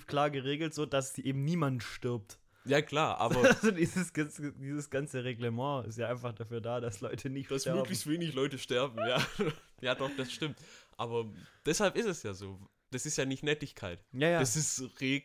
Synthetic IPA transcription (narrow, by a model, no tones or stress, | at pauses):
fkl̥aːɐɡəʁ̞eːɡl̩tz̥oːd̥asz̥iʔeːbm̩niːmantʃtɪɐp̚t | jaːkʰl̥aːɐʔa̰ːbɐazodiːzəsɡ̥asdiːzəsɡ̥ant͡səʁeɡləmɑ̃ːɪ̰s̬tjaːʔaɪnfaχd̥afyːɐdaːdaslɔʏtʰənɪçtʃd̥asmɛɐøːbɡlɪçstv̥eːnɪçlɔʏtəʃtɛɐbm̩jaːjaːdɔχd̥asʃtɪmtʔaːbɐd̥ɛshalpɪstɛsjaːzoː | d̥asɪstjaːnɪçtnɛtɪçkʰaɪtjaːjaːasɪstʁeː